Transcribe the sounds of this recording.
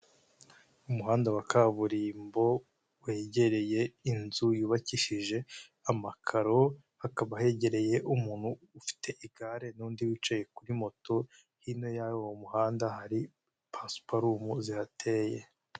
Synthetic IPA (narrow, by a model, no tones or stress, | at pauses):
umuɦaːndawakaβuɾiːmbo̞ | we̞ɟe̞ɾe̞je̞inzujuːβaciʃiʒe̞ | amakʰaɾo̞ | hakaβahe̞ɟe̞ɾe̞je̞ʔumuːnhuːfi̥tʰe̞ʔiɡaːɾe̞nuːndiwit͡ʃaje̞kuɾimo̞to̞ | hino̞jajowomuhaːndahaɾi | pʰaspaɾumuzihatʰeːje̞